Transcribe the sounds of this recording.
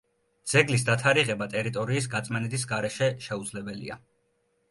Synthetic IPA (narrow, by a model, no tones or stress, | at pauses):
d̪z̥ɛɡlis̬d̪at̪ʰaɾiʁɛbat̪ʼɛɾit̪ʼɔɾiːs̬ɡat̪sʼmɛnɛd̪is̬ɡaɾɛʃɛʃɛud̪zlɛbɛlḭa̰